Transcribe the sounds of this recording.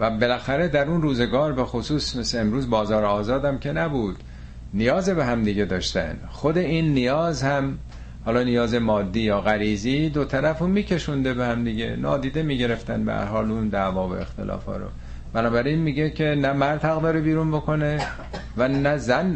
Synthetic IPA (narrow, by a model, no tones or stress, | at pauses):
væbe̞læxæɾed̪æɾunruːze̞ɡɒːɾbe̞xosuːsme̞seemɾuːzbɒːzɒːɾeɒːzɒːd̪æmcʰe̞næbuːd̪̥ | nijɒːzebe̞ɦæmd̪iɟed̪ɒːʃt̪æ̰nd̪xod̪e̞iːnːijɒːzhæm | hɒːlɒːnijɒːze̞mɒːd̪ːiːjɒːɣæɾiːziːd̪ot̪ʰæɾæfomiːcʰe̞ʃund̪e̞behæmd̪iɟḛnɒ̰ːd̪iːd̪emiːɟe̞ɾe̞ft̪ænbḛhæ̰ɾɦɒːlund̪æːvɒːvo̰e̞̰xt̪e̞̰lʔɒ̰ːfɒ̰ːɾo̰ | b̥ænɒːbæɾinmiːɟecʰe̞næmæɾd̪hæɣd̪ɒːɾebiːɾunbo̞kʰo̞ne̞ | vænæzæn